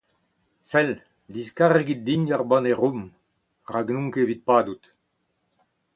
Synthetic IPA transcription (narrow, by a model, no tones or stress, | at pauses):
sɛl | d̪iskaʁeɡit̪̚d̪iɲaʁbɑ̃neʁum | ʁaɡnũŋkevit̪̚paːd̪ut̪